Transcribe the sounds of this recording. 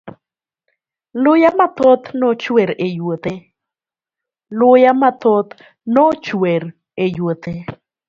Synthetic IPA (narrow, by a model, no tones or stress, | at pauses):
lʊjamat̪ɔt̪nɔt͡ʃweɾejwot̪e | lʊjamat̪ɔt̪ | nɔt͡ʃweɾ | ejwot̪e